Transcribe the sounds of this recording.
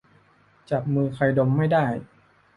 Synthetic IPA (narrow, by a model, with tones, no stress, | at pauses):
t͡ɕa˨˩p̚mɯː˧xʰa˧jdo˧mːa˥˩jdaː˥˩j